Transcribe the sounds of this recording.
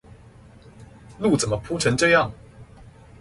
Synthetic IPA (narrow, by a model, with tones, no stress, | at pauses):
lu˥˩t͡sə˨˩nmə˦pʰu˥ʈ͡ʂʰə˧˥˦ŋʈ͡ʂɤ˥˧jɑ˥˨˩ŋ